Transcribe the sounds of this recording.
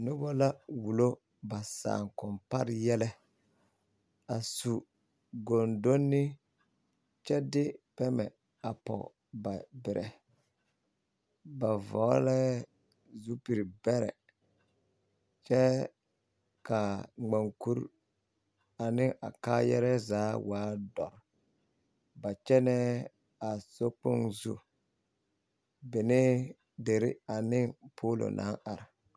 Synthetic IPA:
nʊ˦bɔ˦la˦wu˨lo˦ | ba˨sa̰ː˨ŋkɔ˨mpa˦ɾjɛ˦lɛ˦ | a˨su˨ | ɡo˨ndo˦nːɪ˦ | t͡ʃɛ˦dɪ˦pɛ˦mɛ̰˨ | a˨pɔ̰˨ | ba˨bɪ˨ɾʔɛ̰˨ | ba˨vɔ˨˦la˦ɛ˦ | zu˦pi˨ɾi˨bɛ˦ɾɛ̰˨ | t͡ʃɛ˦ | ka˨ŋ͡ma˨ŋku˦ɾ | a˨nɪ˦ŋa̰˨kaː˦jɛ̰˦ɾɛ˦zaː˨˦waː˨˦dɔ˨ɾ | ba˨t͡ʃɛ˦nɛ˦ | a˨so˦k͡pʊ˦ŋzṵ˦ | bɪ˨nɪ˦ | de˨ɾɪ˦a˨nɪ˦ŋpʰoː˦lo̰˨nʔa̰˦ŋa˨ɾɪ˨

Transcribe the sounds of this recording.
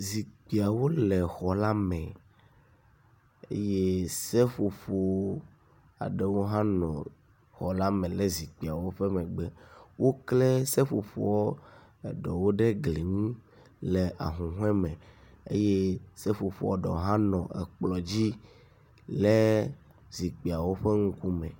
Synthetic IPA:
zi˨k͡pi˨a˨wo˦lɛ˨xɔ˨la˦mɛ̃˨ | ḛ˦je˦se˦ɸo˨ɸo˨ | a̰˨ɖe˦wo˦ɦã˦nɔ̃˨ | xɔ˨la˦mɛ̃˨le˦zi˨k͡pi˨a˨wo˦ɸɛ˦mɛ̃˨ɡ͡bɛ˦wʔo˦klɛ˦se˦ɸo˨fo̰˨wɔ˦ | ɛ˨ɖɔ˨wo˦ɖe˦ɡli˨ŋũ˦ | le˨a̰˨ɦũ˨ɦɛ̃˦mɛ̃˨ | ḛ˦je˦se˦fo˨fo̰˨wɔ̰˦ɖɔ̰˨ɦã˦nɔ̃˨ɛ̰˨k͡plɔ˨d͡ʑi˦ | le˦ | zi˨k͡pi˨a˨wo˦ɸe˦ŋũ˦ku˦mɛ̃˨

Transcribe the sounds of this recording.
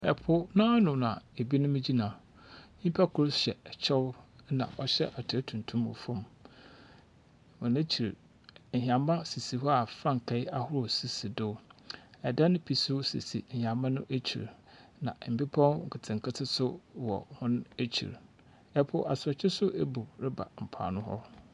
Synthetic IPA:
ɛ˨pʰʊ˦nʊ̃˦a˦nʊ̃˨n˨ã˨e˨bi˦nʊ̃˦mĩ˦d͡ʑi˦nã˨ | ɲĩ˦pʰa˦kʰʊ˦ɾɕɛ˨t͡ɕʰɛ˦wnã̰˨ʔɔ˦ɕɛ̰˦ʔa˨tʰɪ˨˦tʰũ˨n˨tʰũ˦mo̰˨fõ˦˨m | hʊ̃˨næ˦t͡ɕʰi˨ɾ̩˨ | ɦã˨mã˦si˨si˨hɔ˦a˨fɾã˦ŋ˨kʰɛ˨ɪ˦a˦hʊ˦ɾʊ˨si˨si˨dʊ˦ɛ˨da˦ñ˦pʰi˨su˦si˨si˨n̩˨hã˨mmã˦nʊ̃˦ʔe˦t͡ɕʰḭ˨ɾ | nã̰˨m̩˨bi˦pʰã˦wŋ̩˨kʰɪ˨tʰɪ̃˨ŋkʰa˦tʰɪ˦sʊ˦wɔ̰˨hʊ̃˦n˦e˦t͡ɕʰḭ˨ɾ | ɛ˦pʰʊ˦ʔa˨sʊ˨ɔ˨t͡ɕʰɪ˦sʊ˦ʔe˦bu˨ɾɪ˦ba̰˨m̩˨pʰa̰ː˨nʊ̃˦hɔ̰˦

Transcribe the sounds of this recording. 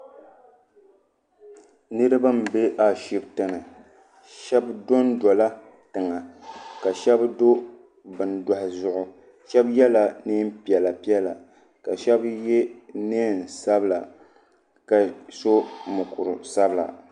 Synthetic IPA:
nɨ˦ɾɨ˦ba˦m̩˨be˦ʔa˨ʃi˦btɨ˦nɨ˨ | ʃɛ˦bdo˦ndɔ˨la˦ | tɨ˨ŋa˨ka˨ʃɛ˦bdo˦ | bɨ˨nda˨hɪ˨zʊ˨ʔʊ˨ | ʃɛ˦bjɛ˦la˨neː˦m˦pi˨ɛ˨la˨pi˦ɛ˦la̰˨ | ka˨ʃɛ˦bje˦neː˦˨n˨sa˦bla˨ | ka˨so˦mʊ˨kʊ˨ɾʊ˨sa˦bla̰˨

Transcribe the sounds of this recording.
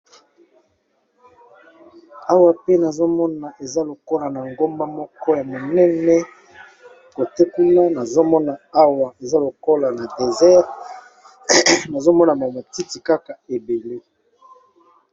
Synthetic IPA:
a˦wa˨pe˦na˨zo˦mɔ˦na˨ʔe˨za˦lo˨ko˦la˨na˨ŋɡo˦mba˦mɔ˦kɔ˦ja˨mo˨nɛ˦nɛ˦ | ko˨tɛ˦ku˦na˦na˨zo˦mɔ˦na˨a˦wa˨e˨za˦lo˨ko˦la˨na˨de˨zɛ˦ʁ | na˨zo˦mɔ˦na˨ma˨mo˨ti˦ti˨ka˦ka˨e˨be˨le˦

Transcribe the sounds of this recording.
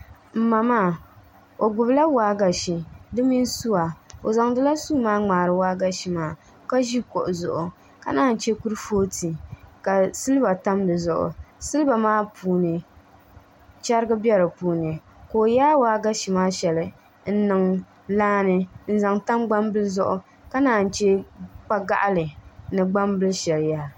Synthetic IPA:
m̩˦ma˨maː˦˨ | o˨ɡʊ˨bla˦waː˦ɡa˨ʃi˨dɨ˦mi˦n˦su˦wa˨o̰˨za˨ŋdɨ˦la˦su˦maː˦ŋ͡maː˨ɾɨ˨waː˦ɡa˦ʃi˨maː˦˨ | ka˦ʒi˦ko˨ʔʊ˨zʊ˨ʔʊ˨ | ka˨naː˦˨n̩˨t͡ʃɛ˦ku˦ɾfoː˦ti˨ka˨sɨ˦lɨ˦ba˨ta˦mdɨ˨zʊ˨ʔʊ̰˨sɨ˦lba˨maː˦pʰuː˨˦nɨ˨ | t͡ʃa˦ɾɨ˦ɡɨ˦bɛ˦ɾɨ˨puː˨˦nɨ˨ | koː˨jaː˦waː˦ɡa˦ʃi˨maː˦ʃɛ˨lɨ˨ | n̩˦nɨ˨ŋ | laː˦nɨ˦n̩˦za˨ŋta˦mɡ͡ba˦mbɨ˦lzʊ˦ʔʊ˨ | ka˦naː˦n̩˨t͡ʃɛ˦k͡pa˦ɡa̰˦ʔlɨ˨nɨ˨ɡ͡ba˦mbɨ˦lʃɛ˨lja˦

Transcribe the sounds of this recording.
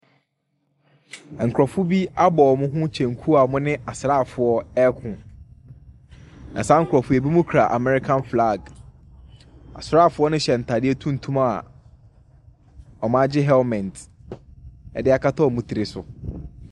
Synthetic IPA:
ŋ̩˨kʰɾɔ˨fʊ˦bi˦a˦bɔ˨ɔ˨mʊ̃˦ɦʊ̃˦t͡ɕʰɛ̃˨ŋ˨kʰu˦a˨mʊ̃˦nɪ̃˦ʔa˨sɾaː˦˨fʊ˨ɔ˦ɛ˦kʰʊ̃˨ | nã˨sa˦ŋ̩˨kʰʊ˨ɾɔ˨fʊ˦e˨bi˦mʊ̃˦kʰɾa˨ʔa̰˨mɛ˨ɾɪ˦kʰã˦nfla˦˨ɡ | a̰˨sɾaː˦˨fʊ˦ɔ˦nʊ̃˦ɕɛ˨n̩˨tʰa˨dɪ˦ɛ˦tʰũ˦n̩˨tʰũ˦ma˨ | ɔ˨mã˦d͡ʑɪ˦ɦɛ˦lmɛ̃˨nt | ɛ̰˨dɪ˦a˨kʰa˦tʰɔ˦ɔ˨mũ˨tʰi˨ɾɪ˨sʊ˨

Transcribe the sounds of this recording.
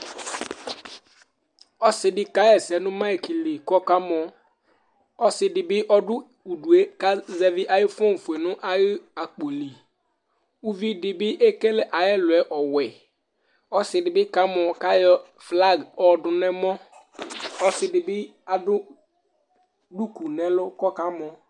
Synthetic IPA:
ɔ˦sɪ˨dɪ˦ka˨˦ɛ˨sɛ˨˦nʊ̃˦ma˦i˨ki˨lɪ˨kɔ˦ka˦m˨ɔ˨ | ɔ˦sɪ˨dɪ˨bɪ˦ʔɔ˦dʊ˦ | u˨du˨e˦ka˦zɛ˦vɪ˦ʔa˨jɪ˦fɔ̃˦n˨fʊ˨e˨nʊ̃˦ʔa˦jɪ˦a˨k͡po˨li˨ | u˦vi˦dɪ˨bɪ˦ʔɛ˦kɛ˦lɛ˦ʔa˨jɛ˦lʊ˨ɛ˨ʔɔ˨wɛ˨ | ɔ˦sɪ˨dɪ˨bɪ˦ka˨˦mɔ˨ka˦jɔ˦ | fla˦˨ɡɔ˦dʊ˨nɛ˦mɔ˦ | ɔ˦sɪ˨dɪ˨bɪ˦a˨dʊ˦ | du˦ku˨nɛ˨˦lʊ˦kɔ˦ka˦mɔ˨

